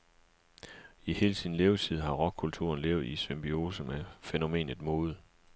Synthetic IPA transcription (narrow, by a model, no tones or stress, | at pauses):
ihe̝ːlt͡sʰiðn̩le̝ːʊt͡sʰið̞̰ˠɦɑ̈ʁɒ̽ɡ̥̚kʰult͡sʰṵɐnleːʊð̩ˠisʋemb̥io̝ːsəmæfeno̝me̝̰ːnð̩ˠmoːð̞̩ˠ